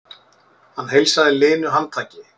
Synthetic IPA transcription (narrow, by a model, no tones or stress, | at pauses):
hanːɦejlsaðɪlɪːnʏɦanːt̪ʰaːcɪ